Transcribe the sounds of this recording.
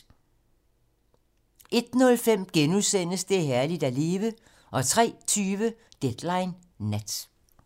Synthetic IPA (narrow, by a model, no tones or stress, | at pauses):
ʔe̝d̥nɔ̽lfem̰ɡ̥enuðˠsen̰əsd̥e̝ɦæɐlid̥æle̝ːʋə | ʔɒ̽t͡sʰʁɛ̰ːt͡sʰyːʋəd̥ed̥lɑ̈ɪnː | æd̥